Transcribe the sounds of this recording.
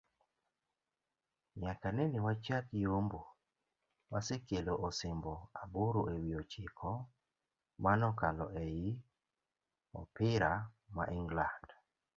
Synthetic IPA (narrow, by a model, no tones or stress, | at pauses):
ɲakanɛnɪwat͡ʃat̪jombo | wasekeloʔɔsɪmbɔaboɾoewiot͡ʃɪkʰɔ | manɔkalɔ̰ʔejɪ | ɔ̰pɪɾa | ma̰ʔɪŋɡland̥